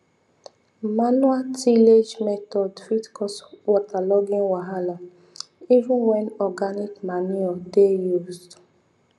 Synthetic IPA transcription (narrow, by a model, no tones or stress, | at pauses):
manwatʰiled͡ʒmɛtɔdfitkʰɔswɔtalɔɡĩnwaɦala | ivũnwɛnɔɡanikmaniɔdejuzd